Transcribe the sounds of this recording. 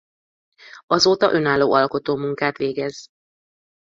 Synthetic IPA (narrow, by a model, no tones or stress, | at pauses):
ɒzoːt̪ɒ̰ʔø̞naːlːo̰ːʔɒlko̞t̪oːmuŋkaːt̪ʋeːɡɛz̥